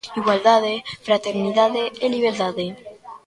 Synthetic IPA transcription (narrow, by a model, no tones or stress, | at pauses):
iɣwald̪aðefɾat̪eɾniðaðeeliβ̞eɾt̪aðe